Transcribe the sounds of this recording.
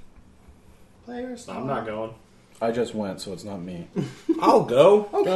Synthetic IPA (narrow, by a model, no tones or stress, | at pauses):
pʰl̥eɪə˞z̥ãɪ̃mnət̚ɡ̥oʊɪ̃ŋ | aɪd͡ʒʌst̚wɛ̃ntsoʊətsnət̚miaɪlˠɡoʊa